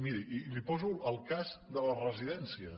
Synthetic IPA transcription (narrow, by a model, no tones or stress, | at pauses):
miɾiʔilipɔzuəlˠkazd̪ələrəziðɛnsiə